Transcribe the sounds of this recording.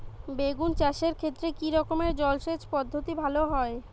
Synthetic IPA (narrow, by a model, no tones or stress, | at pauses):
beɡunt͡ɕaʃeɾkʰet̪ːɾekiɾɔkomeɾd͡ʑɔlʃet͡ɕpɔd̪ʱːot̪ibʱaloɦɔe